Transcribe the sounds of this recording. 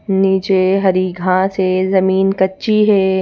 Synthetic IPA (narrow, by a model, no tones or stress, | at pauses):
niːt͡ʃeɦɐɾiɡʱãsezɐmiːnkɐtːʃiɦɛː